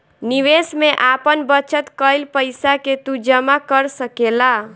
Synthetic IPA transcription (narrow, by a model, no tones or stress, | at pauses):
niʋesmeʔapənbət͡ʃət̪kəjlpəjsaket̪ud͡ʒəmakəɾsəkela